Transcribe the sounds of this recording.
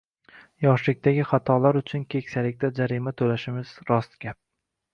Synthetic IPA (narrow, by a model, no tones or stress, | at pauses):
jɒʃlɪk̚ʲt̪aɡʲɪχat̪ʰɒlaɾʊt͡ʃʰʊnkʲʰekʲsalɪk̚ʲt̪ad͡ʒaɾimat̪ʰɵlaʃɪmɪz̥ɾɒst̪ɡʲap̚